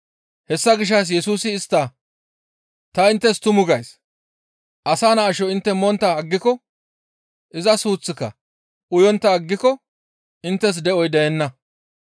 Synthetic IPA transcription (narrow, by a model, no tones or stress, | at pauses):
hɛsːɐɡɪʃ̬ːɐs̬jɛsuːsɪːst̪ːɐ | t̪ɐɪnt̪ːɛst̪ʊmʊɡɐjs | ʔɐsaːnɐːʃɔɪnt̪ːɛmɔnt̪ːɐɐɡːɪkɔ | ʔɪzɐsuːt͡sːɪkːɐ̰ | ʊjɔnt̪ːɐɐɡːɪkɔ | ɪnt̪ːɛs̬d̪ɛɔjd̪ɛjɛnːɐ